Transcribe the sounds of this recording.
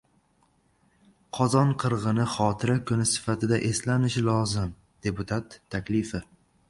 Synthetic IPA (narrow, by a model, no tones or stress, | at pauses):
qʰɒzɒnqʰɨɾʁɨnɪχɒːt̪ʰɪɾakʰʊnɪsɪ̥fat̪ʰɪd̪aʔe̞slanɪʃɪlˠɒzɪm | d̪̥e̞pʊt̪ʰat̪ʰːakʲlɪfɪ